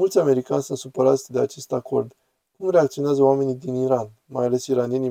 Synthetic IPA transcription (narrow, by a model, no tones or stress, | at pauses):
ult̪sʲame̞ɾikanʲsunt̪supəɾat̪sʲd̪e̞at͡ʃe̞st̪ako̞rd̪ | kumreakt̪sio̞neazəowame̞nid̪iniɾan | majale̞siɾanije̞ni